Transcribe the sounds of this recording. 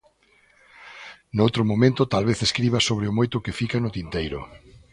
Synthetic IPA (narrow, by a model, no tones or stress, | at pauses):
nowt̪ɾʊmomẽnt̪ʊt̪alβeθeskɾiβɐsoβɾɪʊmojt̪ʊkɪfikanʊt̪int̪ejɾʊ̰